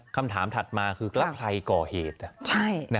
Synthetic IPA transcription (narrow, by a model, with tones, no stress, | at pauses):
kʰa˧mt̪ʰaː˩˦mt̪ʰa˨˩t̪̚maː˧kʰɯː˧kla˦˥pʰkʰla˧jkɔː˨˩heː˨˩t̪̚t͡ɕʰa˥˩jna˦